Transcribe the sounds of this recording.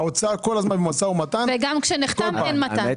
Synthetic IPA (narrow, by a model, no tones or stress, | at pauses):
ot͡sakolazmanbemasaumat̪anveɡamkʃeniχtamenmata